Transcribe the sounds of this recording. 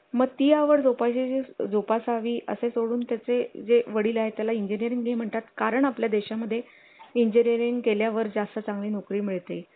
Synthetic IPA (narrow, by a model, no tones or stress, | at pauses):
məɡ̚t̪ijaʋəɾd͡zopat͡ɕid͡zed͡zopasaʋiːʔə̰sesoɽuːnt̪jat͡sed͡zeʋəɽiːlaɦet̪jalaiɲd͡ʑinijəɾiŋɡjem̤əɳt̪at̪kaɾəɳapljad̪eɕaməd̪ʱːje | iɲd͡ʑiniɾiŋɡkeljaʋəɾd͡zast̪ət͡sãŋɡliːnokɾiːmiɭt̪ej